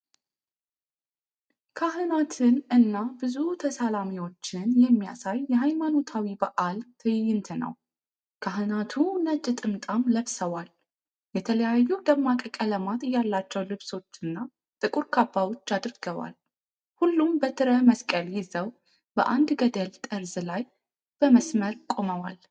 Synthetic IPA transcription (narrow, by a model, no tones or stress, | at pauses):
kʰaɦɨnat̪ʰɨnɨnːabɨzut̪ʰəsalamiwo̞t͡ʃːɪnjɛmːija̰sajːɛɦajmano̞t̪ʰawibəʔalt̪ʰɨjɪjːɪnt̪ʰɨnə̰w | kʰaɦɨnat̪ʰunət͡ʃʼːɨt̪ʼɨmt̪ʼamləβsəwal | jɛt̪ʰələjajːud̪əmːakʼəkʼələmat̪ɨjalːat͡ʃːɛwlɨβso̞t͡ʃːɨnːa | t̪ʼɨkʼuɾkʰabːawo̞t͡ʃːad̪ɾɡ̥əβa̰l | hulːumbət̪ʰɨɾəməskʼəljɪzəw | b̥ə̰ʔand̪ɡəd̪əlt̪ʼəɾzlaj | b̥əməsməɾkʼo̞məwa̰l